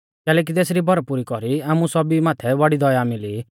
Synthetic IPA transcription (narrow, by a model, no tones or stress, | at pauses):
kɛːlɛːk̬it̪ɛːsɾibʱɔɾpuɾikɔɾiaːmusɔbimaːt̪ʰɛʋaɽid̪ɔjamɪli